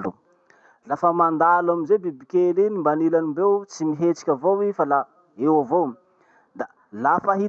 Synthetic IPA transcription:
lṵ | lafəmand̪alamizebibikʲelinimbanilanimbewt͡simiɦet͡si̥kʲavowifala | ewavom | d̪a | lafaɦi

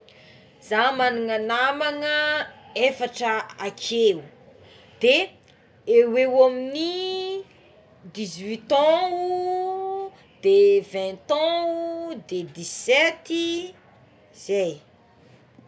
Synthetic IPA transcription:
z̥amanuŋanamaŋəefaʈ͡ʂəakʰeu | d̪̥e | ewewomini | d̪izwit̪ɔ̃u | d̪̥evɛ̃t̪ɔ̃ud̪ed̪izsɛt̪i | z̥ej

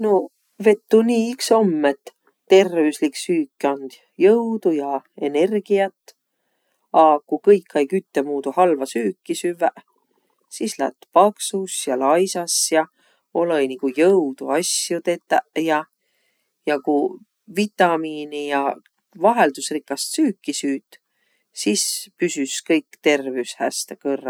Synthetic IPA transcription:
no | ve̞t̪ːuniːikso̞mːet̪ː | e̞rvisliksyːkːiond̪̥ | jɤwd̪̥ujɑe̞ne̞rɡ̥iɑt̪ːˑ | ɑkukɤjkːɑjkyt̪ːemuːd̪̥uhɑlvɑsyːkːisyvæʔ | sislæ̰t̪ːpɑksusjɑlɑjsɑsjɑ | olojnikujɤwd̪̥uɑsjut̪e̞t̪ːæjɑ | jɑku | vit̪ːˑɑmiːnijɑ | vɑɦeld̪̥usrikːˑɑst̪syːkːisyːt̪ː | sispysyskɤjkːt̪e̞rvewshæ̰st̪ekɤrːɑ̰

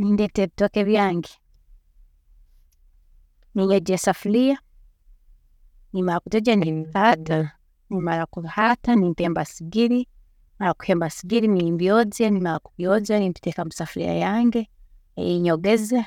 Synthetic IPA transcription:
nindeteβitokeβjaːŋɡe | niɲoɟesafulija | nimaɾakuteɟanimihata | nimaɾakuhatanimpeːmbasiɡiɾi | malaku̥heːmbasiɡiɾinimbjoːd͡zanimalakuβjozanimpi̥tekamusafulḭja̰jaːŋɡḛ | jiɲoɡeza

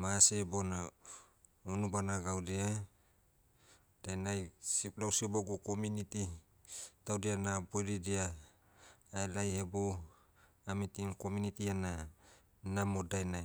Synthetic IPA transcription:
masebona | unubanaɡawɾia | d̥ajnajsiplawsiboɡukomuniti | tawdianabojɾidiaː | elajhebo | amitinko̞munitiana | namodajnaj

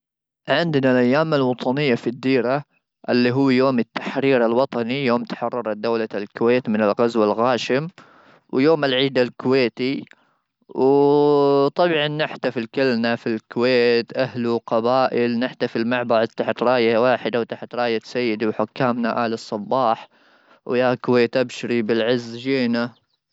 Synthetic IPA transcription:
ʕɪnd̪nalʔajːaːmalwɑt̪ˤɑnɪjːafid̪ːiːɾa | ʔɪlːiɦʊwːjoːmɪt̪ːaħɾiːɾalwɑt̪ˤɑnijoːmt̪ḁħɑrˤːɑɾˤɑd̪awlalkʊweːt̪mɪnɪlɣazwalɣaːʃɪm | wjoːmɪlʕiːd̪alkʊweːt̪i | w | t̪ˤɑbʕɑnːɪħt̪afilkɪlnafilkʊweːt̪ʔaɦluqɑbaːʔɪlnɪħt̪afilmaʕbɑʕt̪aħt̪ɾˤɑːjawaːħɪd̪awt̪aħt̪ɾˤɑːjasajːɪd̪iwħʊkːaːmnaʔaːlɑsˤːɑbːɑːħ | wjakʊweːt̪ʔabʃɪɾibɪlʕɪzːd͡ʒeːna

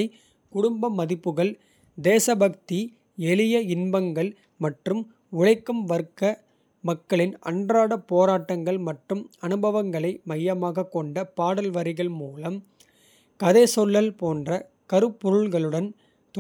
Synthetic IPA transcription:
ɪ | kʊɽʊmbɐmːɐðɪpːɯɣɐɭ | d̪eːsɐbɐk̚t̪i | ɛɭɪjɐɪnbɐŋɡɐɭ | mɐʈrɯm | ʊɻɐɪkːɯmʋɐɾkːɐ | mɐkːɐɭɪnɐ̰ɳdraːɽɐpoːɾaːʈːɐŋɡɐɭmɐʈrɯmɐnɯbɐʋɐŋɡɐɭɐɪmɐjːɐmaːɣɐkːɔɳɖɐpaːɽɐlʋɐɾɪɣɐɭmuːlɐm | kɐðeːsɔlːɐlpoːndrɐ | kɐɾɯpːɔɾɯɭɣɐɭɯɽɐn | t̪

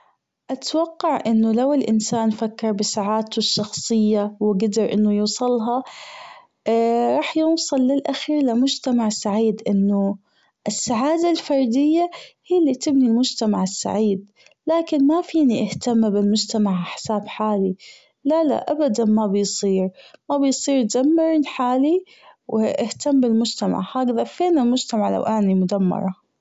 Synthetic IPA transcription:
ʔat̪wɑqːɑʕʔɪnːʊlawɪlʔɪnsaːnfakːɪɾˤbɪsaʕaːt̪ʊʃːɑxsˤɨjːawɪɡad̪ɪɾʔɪ̰nːʊjuːsˤɑlɦɑ | ɾˤɑːħjʊwsˤɑlːɪlʔaxiːɾlɪmʊd͡ʒt̪amaʕɪsːaʕiːd̪ʔɪnːʊ | ʔɪsːaʕaːd̪alfɑɾˤd̪ɪjːahijːlːit̪ɪbnilmʊd͡ʒt̪amaʕɪsːa̰ʕiːd̪ | laːkɪnmafiːniʔɪht̪amːbɪlmʊd͡ʒt̪amaʕaħsaːbħaːli | lala̰ʔabad̪anmabɪjsˤiːɾmabɪjsˤiːɾd͡ʒamːɪɾnħaːli | wɪʔɪht̪ambɪlmʊd͡ʒt̪ama̰ʕhaːɡðafeːnɪlmʊd͡ʒt̪amaʕla̰wʔaʕnimʊd̪amːɑ̰ɾˤɑ

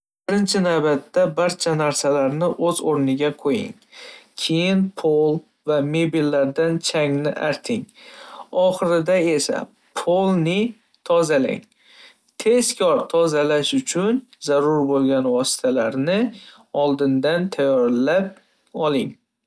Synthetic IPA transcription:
bbɪɾɪnt͡ʃʰɪnavbat̪ːabaɾt͡ʃʰanaɾsalaɾnɪʔɵzoɾnɪɡʲaqʰojɪ̰ŋ | kʲʰe̞jɪnpʰolˠ | vamebilːaɾd̪ant͡ʃʰaŋnɪʔa̰ɾt̪ʰɪŋ | ɒχɨɾɪd̪ae̞sa̰ | pʰolˠnɪ | t̪ʰɒzala̰ŋ | t̪ʰe̞skʲʰɒɾt̪ʰɒzalaʃʊt͡ʃʰʊnzaɾʊɾbolˠɡʲanvɒsɪ̥t̪ʰalaɾnɪ | ɒlˠd̪ɪnd̪ant̪ʰajɒɾlap̚ | ɒlˠɪŋ

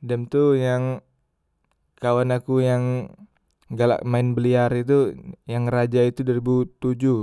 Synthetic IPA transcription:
dɛmt̪ujaŋ | kawanakujaŋ | ɡala̰ʔmaɪnbəliaɾit̪ujaŋrad͡ʒait̪udaɾibut̪ud͡ʒu

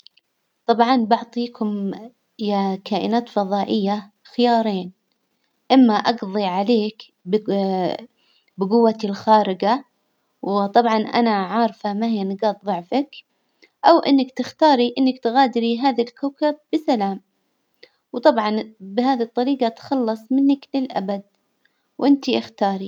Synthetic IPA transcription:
t̪ˤɑbʕɑnbɑʕt̪ˤiːkʰʊm | jakaːʔɪ̰naːt̪fɑðˤɑːʔɪjːa | xɪjɑːɾˤeːn | ʔɪmːaʔɑɡðˤiʕaleːk | b | bɪɡʊwːatɪlxaːɾɪɡa | wt̪ˤɑbʕɑnʔa̰naʕɑːɾˤfamahɪjːanɪɡɑːt̪̚ðˤʊʕfak | ʔawʔɪ̰nːɪkt̪ɪxt̪ɑːɾiʔɪnːakt̪ɣaːd̪ɾiɦaːðalkaːkab̚bɪsalaːm | wt̪ˤɑbʕɑnbɪhaːðit̪ˤːɑɾiːɡɑt̪xɑlːɑsˤmɪnːaklɪlʔa̰bad̪̚ | wʔɪnt̪iʔɪxt̪ɑːɾˤi

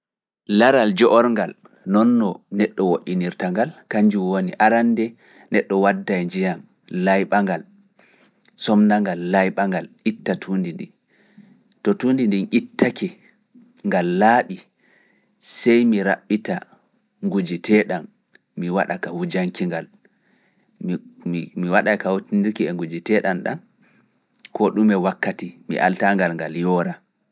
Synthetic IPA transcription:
laɾald͡ʒɔʔɔɾŋɡal | nɔnːɔnɛɗːɔwoʔiniɾtaŋɡalkaɲd͡ʒuwoniʔaɾandɛ | nɛɗːɔwadːajd͡ʒijam | lajɓaŋɡal | sɔmnaŋɡalːajɓaŋɡalʔitːatʰundindin | tɔtundindinʔitːakʰɛ | ŋɡalːaːɓi | sɛjmiɾaɓːita | ŋɡud͡ʒitʰɛɗan | miwaɗakawud͡ʒaŋkiŋɡal | miwaɗakawuindiɾkiɛŋɡud͡ʒitɛɗanɗa̰n | kɔɗumɛwakːatimḭʔa̰ltaŋɡalŋɡaljɔɾa

